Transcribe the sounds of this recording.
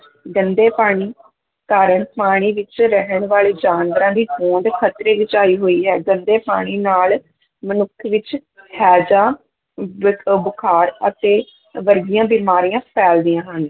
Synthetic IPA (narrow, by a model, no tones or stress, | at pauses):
ɡənd̪eːpaːɽ̃iː | kaːɾəɳpaːɽ̃iːʋɪt͡ʃɾəɦəɳʋaːɭeːd͡ʒaːnʋəɾãːd̪iːʔõːnd̪kʰət̪ɾeːɡɪt͡ʃaːiːɦoːiːɦɛːɡənd̪eːpaːɽ̃iːnaːl | mənʊkʰːʋɪt͡ʃ | hɛːd͡ʒãː | bəkʰaːɾət̪eː | ʋəɾɡɪjãːbiːmaːɾijãːpʰɛːld̪ɪjãːɦən